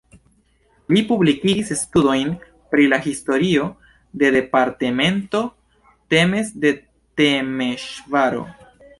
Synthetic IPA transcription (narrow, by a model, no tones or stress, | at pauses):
lipublikisstudo̞jn | pɾilahisto̞ɾio̞ | de̞de̞paɾte̞me̞nto̞ | te̞me̞sde̞ | temeʃvaɾo̞̰